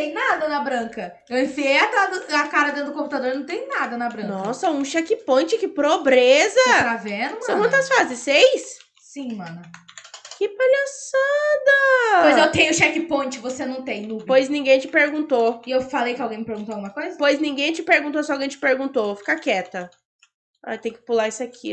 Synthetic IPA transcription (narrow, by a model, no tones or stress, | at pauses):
t̪ẽj̃nad̪ɐnɐbɾɐ̃kɐ | ewĩfiejat̪ad̪ʊakaɾɐd̪ẽnd̪ʊkõput̪ad̪oɾnɐ̃w̃t̪ẽj̃nad̪ɐnɐbɾɐ̃nkɔsɐũʃɛkɪpõt͡ʃɪkɪpɾobɾezɐt̪avenɐmsɐ̃w̃kɐ̃t̪ɐsfazɪ̃sejs | sĩmɐ̃nɐkɪpalasad̪ɐmɐjzewt̪ẽj̃ʊʃɛkɪpõt͡ʃɪvosenɐ̃w̃t̪ẽj̃nupojznĩɡẽj̃t͡ʃɪpeɾɡũnt̪oɪewfalejkɪawɡẽj̃mɪpeɾɡũt̪oawɡũmɐkojzɐpojznĩɡẽj̃t͡ʃɪpeɾɡũnt̪osɪawɡẽj̃t͡ʃɪ̥peɾɡũnt̪ofi̥kɐkɛt̪ɐ | a̰jt̪ẽj̃kɪ̥pulaisʊakʰḭ